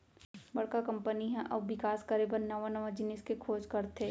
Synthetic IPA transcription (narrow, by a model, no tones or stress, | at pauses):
bɐɽkakɐ̃mpəniɦɛ̃ʔɔːbʋɪkaːskəɾibəɾnɐʋanɐʋãd͡ʒɪnɪskekʰoːd͡ʒkɐɾt̪ɦeː